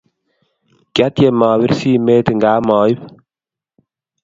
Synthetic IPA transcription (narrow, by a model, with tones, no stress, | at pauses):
ka˦t̪je˨mɔː˨wi˦ɾsiː˦meː˦t̪ə˨ŋɡaː˦mɔː˨ji˦p